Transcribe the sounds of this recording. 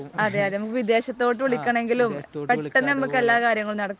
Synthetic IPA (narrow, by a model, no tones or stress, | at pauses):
ɐd̪eːɐðinɐmukːɨʋid̪e̞ːɕɐt̪ːo̞ːʈ̬ːɨʋiɭikʲːɐɳɐeŋɡilumpeʈːɐnːnɐmukːelːaːkaːɾjɐŋːɐɭnɐɽɐkː